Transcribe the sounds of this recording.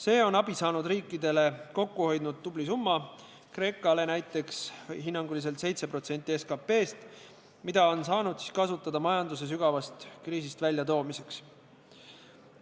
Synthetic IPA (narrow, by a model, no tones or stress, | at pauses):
se̞ːo̞nɑb̥isɑːnud̪riːkːˑid̪̥e̞le̞ko̞kːuho̞jd̪nud̪̚ːublisumːɑ | kre̞ːkːˑɑle̞næjt̪ːˑe̞ksɦinːɑŋɡ̥ulis̬e̞lt̪se̞jt̪se̞pro̞t̪se̞nt̪ːˑie̞skɑpe̞ːst̪ | mid̪̥ɑo̞nsɑːnud̪̥si̥skɑsut̪ːˑɑd̪̥ɑmɑjɑnd̪us̬e̞s̬yɡ̥ɑvɑst̪kriːs̬ist̪vælʲjɑt̪o̞ːmise̞ks